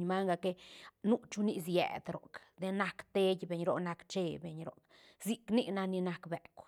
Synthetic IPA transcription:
ɲma˦ŋɡa˧ke˧nu˦t͡ʃu˦ni˦˧s̬jḛ˨d̪ɾo̰˨kd̪e˧na˧kt̪e˦jbe˨ɲɾo˧na˧kt͡ʃe˧be˧ɲɾo̰˨k | zi˧kni˦na˧ni˧na˧kbe˨kʷ

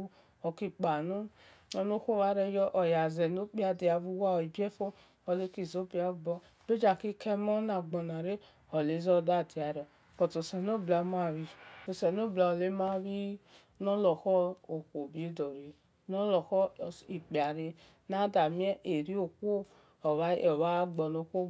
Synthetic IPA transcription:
ɔ˨ki˧k͡pa˨no˦ | ɔ˧no˦xo˦wa˧˦ɾɛ˧˦jɔ˦ʔɔ˨ja˨zɛ˨no˨˦k͡pi˦a˧di˨˧a˧vu˧wa˦˨i˨bɛ˦fo˦ | ɔ˧˨le˦ki˦˨zo˦bi˦a˧˨˧bɔ˧ | b̥e˦d͡ʒa˨ki˦kʰɛ˧mɔ˦na˨ɡ͡bɔ˨na˨ɾe˦ | ɔ˨le˨˦zɔ˦˨da˦˨di˨a˨ɾɛ˨ | kɔ˨to˨sɛ˨no˦bla˨˧m˦a˦˨ɾi˧˨o˨sɛ˨no˦bla˧o˨le˦ma˦βi˦ | nɔ˦lɔ˨xɔ˦o˨ko˨bi˨e˦dɔ˨ɾe˨ | nɔ˦lɔ˨xɔ˦˨i˨k͡pi˨a˨ɾe˧ | na˦da˨mi˦ɛ˦ʔe˨ɾi˦o˨ko˦ | ɔ˨wa˦ɔ˨wa˦ɡ͡bɔ˧no˧kʷo˦

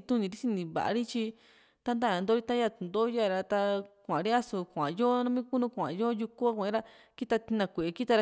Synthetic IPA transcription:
t̪ũ˦nĩ˧ɾi˦si˧nĩ˧βa̰˨ʔa̰˧ɾi˦t͡ʃi˧ | t̪a˧˦nd̪a˦˨ã˧nd̪o˦ɾi˦t̪a˦ja˦˧˨t̪u˨nd̪o˦ja˦˨ɾa˧t̪a˧kʷã̰˨˧ɾi˦a˦su˧kʷã̰˨joː˦nã˦mĩ˦ku˦nũ˧kʷã̰˨joː˦ju˧ku˦a˦kʷẽ˦ɾa˦ | ki˦t̪a˧t̪i˧nã˧kʷe˨ʔe˧ki˦t̪a˧ɾ

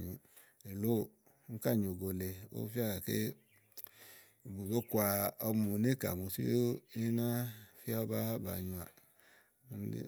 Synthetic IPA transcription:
ɲi˨ | e˨lo˦˨˦ | ka˦˨ɲ˨o˨ɡo˨le˨o̰˦fi˦a˦ɡa˨kḛ˦˨ | bu˨bo˦ku˦a˧ɔ˧m˦u˨˧ne˦ka̰˨mu˨sḭ˦o˦e˦na˦fi˦a˦ba˦ba̰˨ɲu˧a˨˦ | n˦ḭ˦

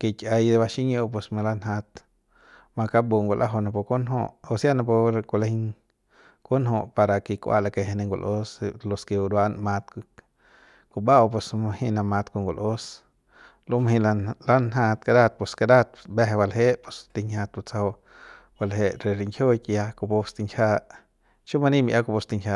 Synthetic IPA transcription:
ke˨kʲa˧jd̪e˧ba˧ʃi˦ɲo˧p̬e˧sma˧la˦nɦa˧t̪ | ma˧ka˦bu˧ŋɡo˨lʔa˦ɦo˧na˧po˧ko˦nɦo̰˧ʔo˧sja˦na˧p̬o˧ɾko˧la˧hi˦ŋ | ko˦nɦo˧ʔpa˧ɾa˧ki˧kʷa̰˧la˧ke˧ɦe˧ne˧ŋɡʷo̰˨lʔo˦slo˧ske˧u˧ɾwa˦nma˧t̪k | ku˧ba˦wpe˧sma˧hi˧na˧ma˧t̪ku˧ŋɡo˨lo˦s | lo˦maɦĩ˧lala˦nɦa˧t̪kad̪a˦t̪̚pe˧ska˧d̪a˦˧t̪̚be˦ɦe˧ba˧lɦe˦ʔpo˨st̪i˧ɲha˧t̪̚bo˧t͡sa˧o˧ | ba˧lɦe˧ʔɾe˨ɾi˧ŋkʰjo˦jki˧ja˧ko˧po˧st̪i˧ŋkʰa˦ | t͡ʃo˦ma˧ni˦mi˧ʔa˦ko˧po˧st̪i˧ŋkʰa˧

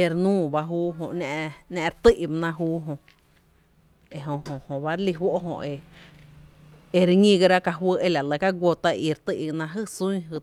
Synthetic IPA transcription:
e˧ɾnũː˦˨ba˧ɦuː˦ɦõ˧ʔnã˧ʔnã˧ɾt̪i˦ʔba˧nã˧ɦuː˦ɦõ˧ʔ | e˧ɦõ˧ɦõ˧hõ˧˨ba˦ɾli˧wo˦ʔɦõ̰˧ʔe˧ | e˧ɾɲĩ˧ɡa˧ɾa˦ka˧ɦwə˦ʔe˧la˨lə˧˨ka˦ɡʷo˧t̪a˧i˧ɾt̪ɨ˦˧ʔnã˧ɦɨ˦sũ˦ɦɨ˧

